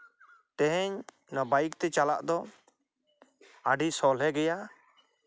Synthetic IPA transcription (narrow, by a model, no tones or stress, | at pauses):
t̪ɛ̃ɦɛɲ | nabajikt̪ɛt͡ʃala̰ʔd̪ɔ | aɖisɔlɛɡɛja